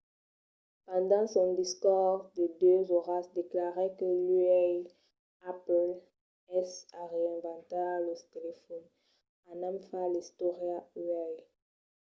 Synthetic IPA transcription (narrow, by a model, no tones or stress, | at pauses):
pɑ̃d̪ɑ̃sɔ̃d̪iskɔʁd̪ed̪øzoʁasd̪eklaʁɛkəlyɛj | apl | ɛsaʁeɛ̃vɑ̃t̪alət̪elefɔn | ãnãmfalist̪oʁjayɛj